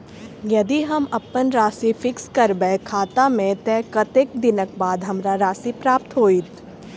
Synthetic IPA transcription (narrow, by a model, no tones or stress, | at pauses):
jɐd̪iɦɐmɐpənɾaːsifɪkskɐɾbɛkʰaːt̪amẽt̪ɛːkət̪eːk̚d̪ɪnək̚baːd̪ɦɐmɾaɾaːsipɾaːp̚t̪ɦoːiːt̪